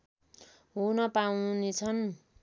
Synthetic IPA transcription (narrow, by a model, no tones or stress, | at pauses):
ɦunʌpawnet͡sʰʌn